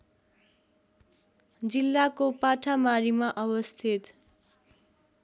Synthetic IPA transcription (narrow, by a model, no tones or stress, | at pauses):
d͡zilːakopaʈʰamaɾimaʔʌbʌst̪ʰit̪